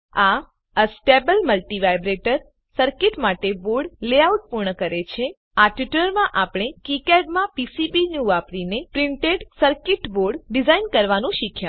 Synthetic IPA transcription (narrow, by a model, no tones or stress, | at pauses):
a | əsʈebəlməlʈiʋajbɾeʈəɾ | səɾkɪʈmaʈeboɾɖleauʈ̚puɾɳəkəɾet͡ʃʰe | aʈʋiʈləɾmãʔapɳ̃ekikɛɖmãpisibinjuʋapɽinepɾiɳʈeɖsəɾkɪʈboɾɖɖizainkəɾʋanũʃikʰja